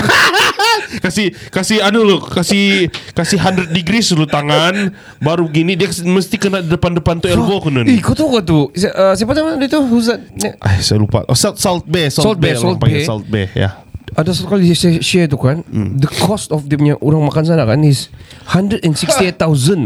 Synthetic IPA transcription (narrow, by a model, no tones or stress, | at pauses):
kasikasiadulokasikasiɦandɾət̪̚diɡɾislut̪aŋan | baɾuɡinidiaməst̪ikənadidəpandəpant̪uɛlbokununikut̪uɡat̪usʔəsajapat̪amaadait̪uhuzanɲaʔa̰jsajalupa̰ʔo̰ssalt̪̚bɛsɔsɔlt̪̚bɛslɔlt̪̚abɛa̰lt̪̚bɛ̰ja̰ | adasat̪̚kalisaʃɛt̪ukandəkʰɔst̪ɔfd̪ɛmɲaʔuɾaŋmakansanaʔkanis | handɾədɛnsiksiet̪ːauzən